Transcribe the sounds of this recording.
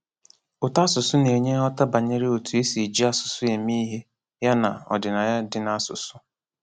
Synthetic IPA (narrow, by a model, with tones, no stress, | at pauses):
ʊ˨ta˦sʊ˨sʊ˦ne˨ɲe˦ɔ˦ta˦ba˨ɲe˦ɾɪ˦o˨tu˨e˦si˨d͡ʒi˦a˦sʊ̥˨sʊ˦e˨mi˦ɦe˦ | ja˦na˨ɔ̰˨dɪ˨na˨ja˦dɪ˦na˦a˦sʊ̰˨sʊ˦